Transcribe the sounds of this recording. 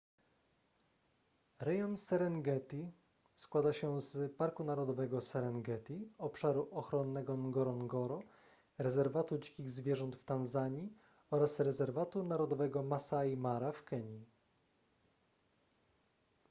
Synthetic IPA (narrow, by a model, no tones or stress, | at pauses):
ɾɛjɔnsɛɾɛnɡɛt̪ʲi | skwad̪aɕɛzpaɾkunaɾɔd̪ɔvɛɡɔsɛɾɛnɡɛt̪ʲiɔpʂaɾuʔɔxɾɔnːɛɡɔnɡɔɾɔnɡɔɾɔ | ɾɛzɛɾvat̪ud͡ʑi̥kʲiɣzvʲjɛʐɔnt̪ft̪anzaɲi | ɔɾasɾɛzɛɾvat̪unaɾɔd̪ɔvɛɡɔmasajimaɾafkɛɲi